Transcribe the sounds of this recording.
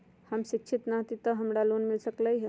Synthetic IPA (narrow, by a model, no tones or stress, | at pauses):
həmʃikt͡ʃʰit̪naɦt̪it̪əɦəmɽaloːnmilsəkləjɦ